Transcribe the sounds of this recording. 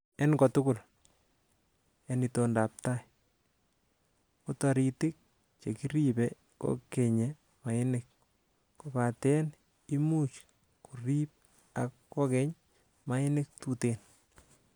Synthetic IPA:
ɛnkɔtʊkʊl | enitondaːp̚taj | kutɔɾitɪk̚ | t͡ʃekiɾipe | ko̰keɲe | maɪnɪk̚ | kopatɛn | imut͡ʃ | kʰurip̚ | akːɔkɛɲ | maɪnɪk̚tuten

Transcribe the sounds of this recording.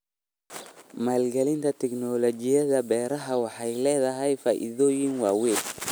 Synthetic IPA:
maːlɡɛlɪnt̪ʰɐt̪ʰɛknɔlɔt͡ʃɪjɐðɐbɛːɾɐɦɐwɑħɑjlɛːðɐɦɛjfaːʔɪ̰ðɔːjɪŋwɑːwɛːl

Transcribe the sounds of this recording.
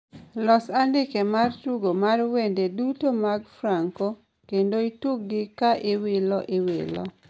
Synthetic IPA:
lɔsandɪkemartuɡomarwendedutomaɡfɾaŋko | kendoituk̚ɡɪkaʔɪwɪlɔʔɪwɪlɔ̰

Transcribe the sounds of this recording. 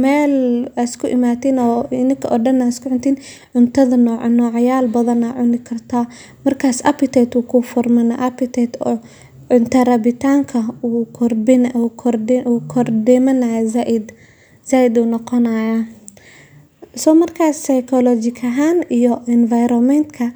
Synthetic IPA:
mɛːlɐskʰʊʔɪmaːt̪inɔːɪnɪkʰɐʔɔɖɐnaskʰʊʕʊnt̪ʰiːnʕʊnt̪ʰɐðɐnɔːʕnɔːʕjaːlbɐðɐnaːʕʊnɪkʰɐrt̪ʰaː | mɐrkʰaːsɐ̰pɪt̪ʰɛt̪uːkʰʊfɔrmɐna̰ʔɐpɪt̪ʰɛt̪ɔ | ʕʊnt̪ʰɐrɐβɪt̪ʰaːŋkʰɐuːkʰɔrɪnukʰɔrduːkʰɔrdɛmɐnajzaʔɪd̪ | saːjɪd̪uːnɔqɔnaja | sɔːmɐrkʰaːsːɐjkʰɔlɔt͡ʃɪkʰɐɦaːnijɔɪnvajɾɔmɛnt̪kʰɐ

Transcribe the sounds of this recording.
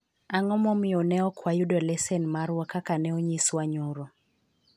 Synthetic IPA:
aŋɔmɔmɪɔnɛɔkwajʊdɔlɛsɛnmaɾwɔkakanɛɔɲiswaɲoɾo

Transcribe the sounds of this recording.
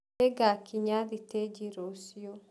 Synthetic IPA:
eɡakʰiɲaðited͡ʒiɾosio

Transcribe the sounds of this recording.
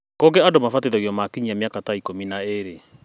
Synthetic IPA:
kɔɡɛadomafateðɛɣjɔmakiɲiamjakataikominaeɾe

